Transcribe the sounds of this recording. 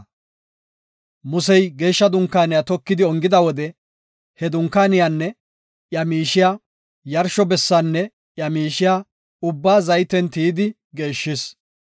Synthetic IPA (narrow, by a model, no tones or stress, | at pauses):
mʊsɛjɡe̞ːʃːɐd̪ʊŋkːaːnɪjaːt̪ɔkːɪd̪ɪɔŋɡɪd̪ɐwɔd̪ɛ | hɛd̪ʊŋkːaːnɪjaːnːɛ | ʔjɐmiːʃɪjaː | jɐɾʃɔbɛsːanːɛ | ʔjɐmiːʃɪjaː | ʊbːaːzɐjt̪ɛnt̪iːd̪ɪ | ɡe̞ːʃːɪs